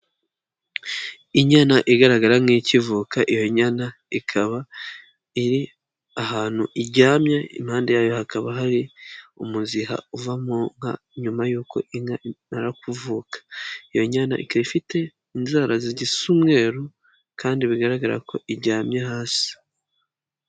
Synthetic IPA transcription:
iɲanaʔiɡaɾaɡaɾaŋicivuːkaʔijo̞ɲana | ikʰaβa | iɾi | aɦaːn̥huʔiɾɟaːmɲaḭm̥haːndejaːjo̞hakaβaɦaɾiumuziɦa̰uvamoŋa | ɲumajuːko̞̰ʔimanaɾakuvuːkḁijo̞ɲana̰ʔḭkaβifite̞ | inzaːɾaziɟisumŋe̞ːɾu | kʰaːndiβiɡaɾaɡaɾa̰ko̞ʔiɾɟaːmɲaɦaːsi̥

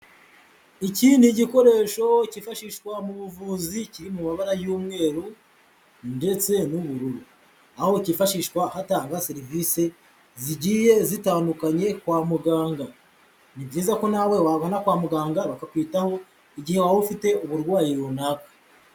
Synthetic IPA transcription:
iciːndiɟiko̞ɾe̞ʃo̞cifaʃiʃkwamuβuvuːziciɾimumaβaɾajuːmŋe̞ːɾu | nde̞t͡se̞nuβuɾuɾu | aho̞cifaʃiʃwahataːŋɡaseɾivise̞ | ziɟiːje̞zitaːndukaɲe̞kwaːmuɡaːŋɡa | nibɟiːzako̞nawe̞waβonakwaːmuɡaːŋɡaβakakwiːtaho̞ | iɟihewaufite̞uβuɾɡwaːjiɾunaːkḁ

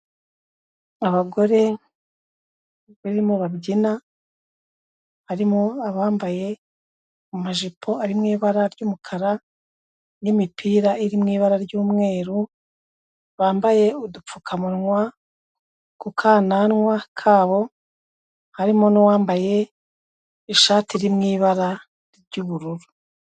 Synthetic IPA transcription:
aβaɡo̞ɾe̞ | βiɾimoβabɟina | haɾimoaβaːmbaje̞ | umaʒipʰo̞aɾimŋiːβaɾaɾjɟuːmukʰaɾa | nimipʰiːɾaiɾimŋiːβaɾaɾɟuːmŋe̞ːɾu | βaːmbaje̞udup͡fukʰamunŋwa | kukʰaːnanŋwakʰaːβo̞ | haɾimonowaːmbaje̞ | iʃaːtiɾimŋiːβaɾa | ɾɟuβuɾuɾu̥

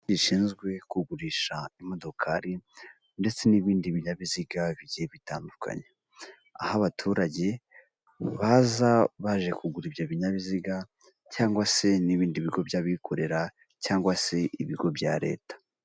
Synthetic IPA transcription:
iʃiːnzɡwe̞kuɡuɾiːʃaimo̞do̞kʰaɾi | nde̞t͡se̞niβiːndiβiɲaβiziɡaβiɟiheβitaːndukʰa̰ɲe | a̰haβatʰuːɾaɟe̞ | βazaβaʒe̞kuɡuɾibjaβiɲaβiziɡa | caːŋɡwase̞niβiːndiβiɡo̞bjaβikʰo̞ɾe̞ɾa | caːŋɡwase̞ʔiβiɡo̞bɟa̰ɾe̞̰ːtḁ

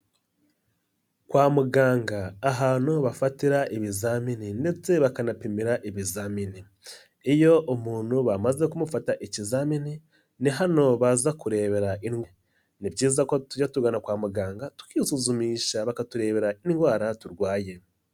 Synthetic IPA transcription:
kwaːmuɡaːŋɡaːɦaːn̥o̞βafatiɾaʔiβizaːmininde̞t͡se̞βakanapimiɾaʔiβizamini | ijo̞ʔumuːn̥huβamaze̞kumufataʔicizamini | niɦano̞βazakuɾe̞ːβe̞ɾaʔinɡ | nibɟiːzakotuɟatuɡanakwaːmuɡaːŋɡatu̥kiːsuzumiːʃaβakatuɾe̞ːβe̞ɾainɡwaːɾatuɾɡwaːje̞

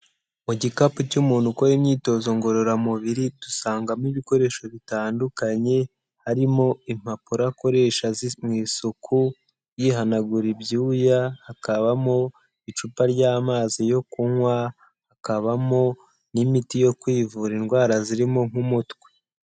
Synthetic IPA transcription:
muɟikapucumuːnhukojimɲiːto̞ːzo̞ŋɡo̞ɾo̞ɾamuβiɾitusaːŋɡamiβiko̞ɾe̞ːʃo̞βitaːndukaɲe̞ | haɾimo̞im̥apuɾako̞ɾe̞ʃazimŋiːsukʰu | jiɦanaɡuɾibjuːjahakaβamo̞ | it͡ʃupaɾɟaːmaːzijo̞kuŋwa | hakaβamo̞ | nimitijo̞kwiːvuɾinɡwaːɾaziɾimoŋ̥umutwe̥

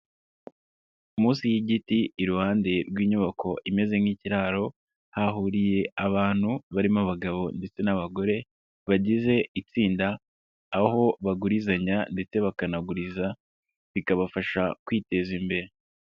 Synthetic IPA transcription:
umuːsijiɟitiːɾuhaːnde̞ɾɡwiːɲuβakʰo̞ʔime̞ze̞ŋiciɾaːɾo̞ | haɦuɾije̞aβaːn̥huβaɾimaβaɡaβo̞nde̞t͡se̞naβaɡo̞ɾe̞ | βaɟize̞it͡siːndaː | ho̞βaɡuɾizaɲande̞t͡se̞βakanaɡuɾiza | βikaβafaʃakwiːte̞zimbe̞ɾe̞

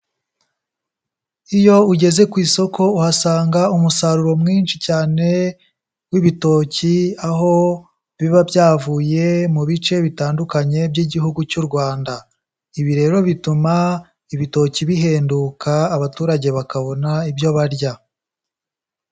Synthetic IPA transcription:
ijo̞uɟe̞ze̞kwiːso̞kʰo̞uhasaːŋɡaumusaɾuɾo̞mŋiːnt͡ʃicaːne̞ | wiβito̞ciaɦo̞ | βiβabjaːvuːje̞muβit͡ʃe̞βitaːndukaɲe̞bɟiɟihuɡucuɾɡwaːnda | iβiɾe̞ɾo̞βituma | iβito̞ciβiɦe̞ːndukaːβatuːɾaɟe̞βakaβo̞naibjo̞βaɾɟa

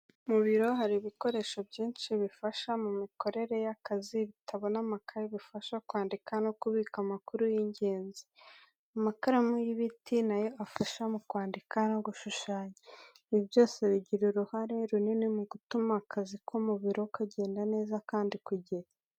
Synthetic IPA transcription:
muβiɾo̞ɦaɾiβiko̞ɾe̞ːʃobɟiːnʃiβifaʃamumiko̞ɾe̞ɾe̞jakaziβitʰaβo̞namakʰaɾeβifaʃakwaːndikano̞kuβiːkamakuɾujiɲɟeːnzi̥ | amakaɾamujiβitʰinajo̞ʔafaʃamukwaːndikano̞ɡuʃuʃaːɲa | iβjo̞ːse̞βiɟiɾuɾuhaɾe̞ɾuninimuɡutumakʰazikʰomuβiɾo̞kaɟe̞ːndane̞ːzakaːndikuɟeɾa

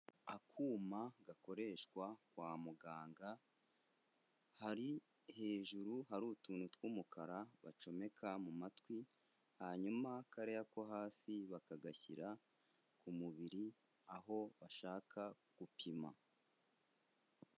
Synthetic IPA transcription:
akʰuːmaɡako̞ɾe̞ʃkwakwaːmuɡaːŋɡa | haɾi | he̞ːʒuɾuhaɾuːtuːnutwuːmukaɾaβa̰t͡ʃo̞me̞kʰamumatwi | haɲumakaɾe̞jako̞ɦaːsiβakaɡaçḭɾa | kʰumuβiɾi | aɦo̞βaʃaːkʰa | ɡ̥upʰima̰

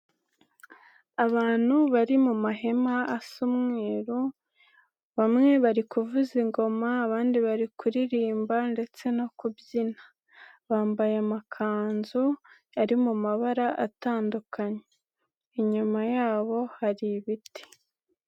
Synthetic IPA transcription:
aβaːn̥huβaɾimumaɦe̞maːsumŋeːɾu | βamŋe̞βaɾikuvuziŋɡo̞maːβaːndiβaɾikuɾiɾiːmbande̞t͡se̞no̞kubjina | βaːmbajamakʰaːnzu | aɾimumaβaɾaʔataːndukʰaɲeeː | ɲumajaːβo̞haɾiβiti̥

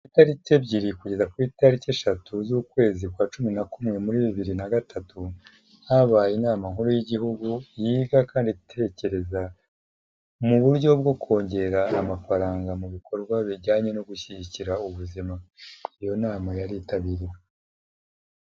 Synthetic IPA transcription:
itaɾice̞bɟiɾikuɟe̞zakwiːtaɾiceːʃatuzuːkwe̞ːzikwaːt͡ʃuminakumŋe̞muɾiβiβiɾinaɡatʰatʰu | haβaːjinaːmaŋ̥huɾujiɟiɦuɡujiːɡakaːnditʰe̞ːce̞ɾe̞za | muβuɾɟo̞b̚ɡo̞kʰo̞ːɲɟe̞ɾaːmafaɾaːŋɡamuβikʰo̞ɾɡwaβiɟaːɲe̞no̞ɡuçiɟiciɾauβuzimaijo̞naːmajaɾiːtaβiɾi

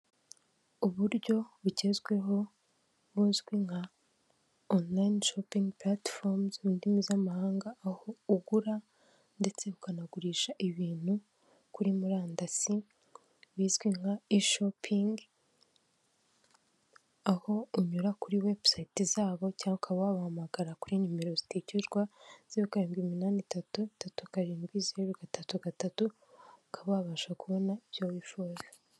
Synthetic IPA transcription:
uβuɾɟo̞βuɟe̞zɡwe̞ɦo̞ | βuːzɡwiŋha | onlainʃopiŋɡpɾatfoɾmzindimizamahaːŋɡaːho̞uɡuɾa | nde̞t͡se̞βukanaɡuɾiːʃaʔiβiːn̥hu | kuɾimuɾaːndasi | βiːzɡwiŋhaiʃopʰiŋɡ | aho̞uɲuɾakuɾiwe̞bsajtizaːβo̞caːŋɡeukaβwaβahamaɡaɾakuɾiɲume̞ɾo̞zi̥tecuɾɡwaz̥ijokaɾeːmɡiminaːnitatutatukaɾeːmɡwizeeɾuɡatatuɡatatu | ukʰaβaβaːʃakuβo̞naiβjoβifoze

